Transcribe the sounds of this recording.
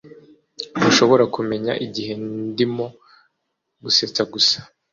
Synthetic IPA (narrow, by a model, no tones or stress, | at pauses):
uʃo̞βo̞ɾakume̞ɲa̰ʔiɟihe̞ndimo̞ | ɡuse̞t͡saɡusḁ